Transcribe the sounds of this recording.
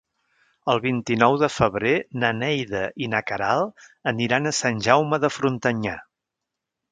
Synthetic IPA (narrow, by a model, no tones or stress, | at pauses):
əlˠβint̪inɔwðəfəβɾenənɛjðəʔinəkəɾalˠəniɾanəsanʲʒawməðəfɾunt̪əɲa